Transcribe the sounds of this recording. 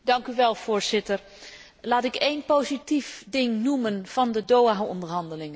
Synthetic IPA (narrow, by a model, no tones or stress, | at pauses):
dɑŋkyʋɛlˠv̥ʊːɹz̥ɪtər | laːtɪkejnpowzitifdɪŋnumənv̥ɑndədowaɔ̰ndəɹɦɑndəlɪŋə